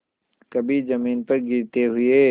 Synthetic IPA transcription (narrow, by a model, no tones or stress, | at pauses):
kɐbʱizɐmiːnpɐɾɡiɾt̪eɦʊeː